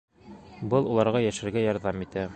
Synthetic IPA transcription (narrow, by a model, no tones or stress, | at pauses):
bɤlˠulˠɑɾʁɑjæʃɘ̆ɾɡæjɒɾðɑmit̪æ